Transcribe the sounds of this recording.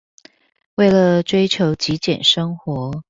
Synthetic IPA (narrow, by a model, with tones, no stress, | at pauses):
we˥˩ɪlə˩ʈ͡ʂwe˥ɪt͡ɕʰjo˧˥ʊt͡ɕi˧˥t͡ɕjɛ̰˨˩nʂɤ˥ŋxwɔ˧˥